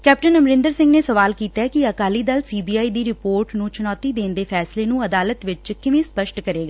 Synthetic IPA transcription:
kɛːp̚ʈənəmɾɪ̃nd̪əɾsɪ̃ŋɡneːsəʋaːlkiːt̪ɛːkiəkaːliːd̪əlsiːbiːaːiːd̪iːɾɪpoːɾʈnũːt͡ʃʊnɔːt̪iːd̪eːnd̪eːpʰɛːsleːnũːəd̪aːlət̪ʋɪt͡ʃkɪʋẽːspəʃʈkəɾeːɡaː

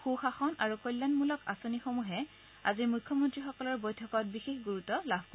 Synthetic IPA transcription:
xuxaxɔnaɹukojlːanmulɔkasonixomuɦɛ | a̰ziɹmujkʰːɔmɔntɹixɔkɔlɔɹbojtʰɔkɔt̚bixexɡuɹutɔlabʱko

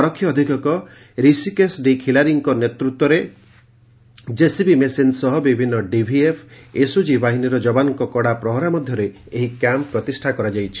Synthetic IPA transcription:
ɔɾɔkʰːjɔːd̪ʱikɔkɔ | ɾisikesɖikʰilaɾiŋkɔnet̪ɾut̪wɔɾe | d͡ʒesibimesensɔɦɔbibʱinːɔɖibʱiepʰesud͡ʒibaɦiniɾɔd͡ʒɔbanɔŋkɔkɔɽapɾɔɦɔɾamɔd̪ʱjɔɾe | eɦikamppɾɔt̪isʈʰakɔɾad͡ʒajt͡ʃʰi̥

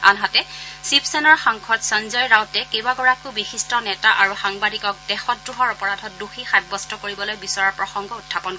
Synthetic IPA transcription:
a̰nɦatɛsipsɛnɔɹxaŋkʰɔtsɔnzɔjɹawtɛkebaɡɔɹakʊbixistɔnɛtaʔaɹuxaŋbadikɔk̚dɛxɔtdɹuɦɔɹɔpɔɹadʱɔt̚duxixajbbɔstɔkoɹibɔlojbisɔɹaɹpɹɔxɔŋɡɔutʰːapɔn

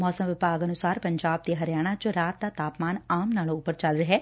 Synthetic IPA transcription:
mɔːsə̃mʋɪbaːɡɐnʊsaːɾpɐ̃ɲd͡ʒaːb̚t̪eɦɐɾɪjaːɽ̃at͡ʃʊɾaːt̪̚d̪at̪aːpmaːnaːmnaːlõʊpːəɾt͡ʃɐlɾɐɦeː

